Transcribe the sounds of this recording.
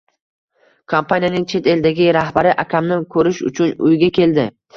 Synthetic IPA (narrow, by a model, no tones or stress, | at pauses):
kʰompʰanʲijanɪŋt͡ʃʰe̞t̪e̞ld̪aɡʲɪɾahbaɾɪʔakʲʰamnɪkʰɵɾɪʃʊ̰t͡ʃʰʊnʊ̰jɡʲakʲʰe̞ld̪ɪ